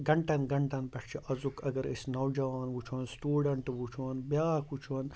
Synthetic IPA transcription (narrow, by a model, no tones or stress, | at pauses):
ɡɐɳʈɐnɡɐɳʈɐnpɐʂt͡ʃʰiʔɐzukʰɐɡɐɾḭsnɐwd͡ʒɐʋaːnʋut͡ʃʰuɐnstuːɖɐɳʈʋut͡ʃʰuwɐnbjaːkut͡ʃʰuɐn